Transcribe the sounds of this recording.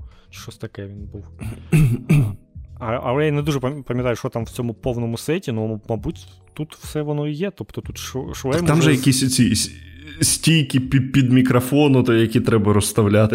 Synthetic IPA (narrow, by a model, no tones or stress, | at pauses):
t͡ʃt͡ʃɔsʲt̪ɐkɛʋʲinbuw | ɐʔɐ̰lˠɛjainɛd̪uʐɛpɐpɐmʲjɐt̪ajʊʃt͡ʃɔt̪amw̥t͡sʲɔmʊpɔwnɔmʊsɛtʲinɔmɐbutʲ | t̪ut̪w̥sɛʋɔnɔijɛt̪ɔpt̪ɔt̪ut̪ʃɔʃʋɛmt̪amʒɛjɐkʲisʲɔt͡sʲi | sʲtʲijkʲipʲipʲid̪mʲikɾɐfɔnʊt̪ɔjɐkʲit̪ɾɛbɐɾɔst̪ɐʋlʲat̪ɪ